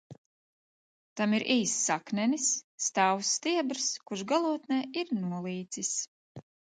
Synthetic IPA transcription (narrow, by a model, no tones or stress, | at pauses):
t̪amiɾʔiːsːaknʲɛnisːt̪awsːt̪iɛbɾskuʃɡalˠuɔt̪nɛːiɾnuɔlˠiːt̪sis